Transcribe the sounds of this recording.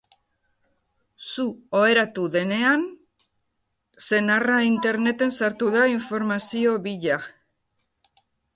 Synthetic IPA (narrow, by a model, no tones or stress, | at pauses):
suoe̞ɾat̪uðe̞ne̞an | se̞naraint̪e̞ɾne̞t̪e̞nsaɾt̪uðaiɱfo̞ɾmasio̞βiʎa